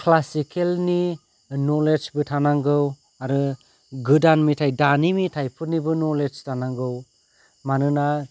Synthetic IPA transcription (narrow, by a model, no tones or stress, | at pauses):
kʰlasikʰelni | nɔled͡ʒbɯtʰanaŋɡɯw | aɾɯ | ɡɯdanmitʰajdanimitʰajpʰɯɾnibɯnɔled͡ʒtʰanaŋɡɯw | manɯna